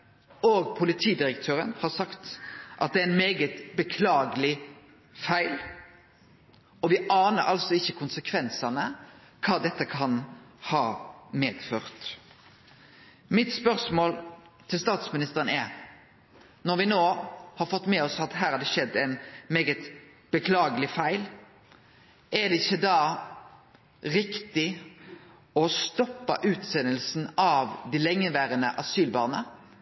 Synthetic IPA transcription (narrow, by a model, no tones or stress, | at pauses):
oːɡpʰʊlɪt̪ʰiːd̪ɪɾəkt̪ʰøːɾənhɑɾsɑkt̪ʔɑt̪̚d̪ɛæɪnmeːɡət̪bəkʰlɑːɡəlɪ | fæɪl | ɔʋɪɑːnə̰ɾʔɑ̰lsɔɪçːəkʰʊnsəkʰʋɛnsɑnə | kʰɑːd̪ɛt̪ːəkʰɑnhɑːmeːd̪̥føːʁt̪ | mɪt̪spœɾsmoːl | t̪ʰɪlst̪ɑːt̪smɪnɪst̪əʁənɛɾ | nɔɾʋɪnoːhɑɾfɔt̪ːmɛːɔsɑt̪ɦæːɾɑɾd̪ɛʃɛd̪ːɛɪnmeːɡət̪ | b̥əkʰlɑːɡəlɪfæɪl | ʔɛd̪ɛɪçːəd̪ɑː | ʁɪkt̪ɪ | ɔst̪ɔpːə̰ʔʉːt̪sɛnəlsn̩ɑːʋd̪ɪlɛŋːəʋæːʁənəʔɑsyːlbɑ̰ːʁnə